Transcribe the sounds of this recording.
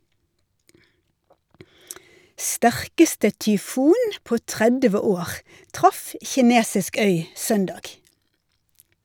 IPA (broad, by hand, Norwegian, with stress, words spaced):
ˈstæʁkəstə tʏˈfuːn ˈpoː ˈtʁɛdʋə ˈoːʁ ˈtʁɑf çɪˈneːsɪsk ˈœʏ ˈsœndɑːɡ